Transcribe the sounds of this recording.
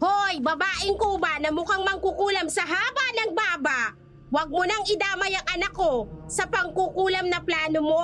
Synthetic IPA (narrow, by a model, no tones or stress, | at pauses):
hoʔjbɐbaːʔɪŋkobanɐmʊkaŋmɐŋkukuːlɐmsɐɦaːbɐnɐŋbaːbɐʔ | wɐɡ̚monɐŋɪd̪aːmɐjɐŋʔɐnɐkːosɐpɐŋkukuːlɐmnɐplaːnomo̞